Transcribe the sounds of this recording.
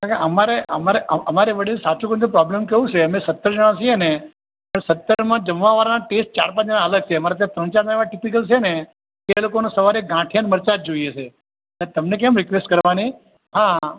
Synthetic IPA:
akeəmaɾeʔəmaɾeʔəəmaɾeʋəɽisat͡ʃũkə̃nd̪upɾɔblemkeũt͡ʃʰeəmesət̪ːəɾd͡ʒəɽ̃ãt͡ʃiene | pəɽesət̪ːəɾmãd͡ʒəmʋãʋaɾanaʈesʈ̚t͡ʃaɾpãt͡ʃãələɡ̚t͡ʃʰeəmaɾat̪̬jãt̪ɾə̃nt͡ʃaɾnaeʋaʈipik̬əlt͡ʃʰene | t̪elokonesəʋaɾeɡãʈʰijanməɾt͡ʃat̪̚d͡ʒoijet͡ʃʰe | et̪əmnek̬ɛ̃mɾɪkʋesʈkəɾʋani | ɦã

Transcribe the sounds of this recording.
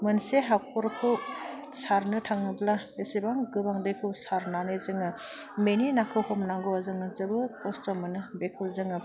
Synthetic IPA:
mɯnseɦakʰɔɾkʰɯw | saɾnɯtʰaŋɯbla | esibaŋɡɯbaŋbekʰɯwsaɾnanezɯŋɯ | meninakʰɯwhɔmnaŋɡoazɯŋɯzɯbɯkʰɔstɔmɯnɯbekʰɯwzɯŋɯ

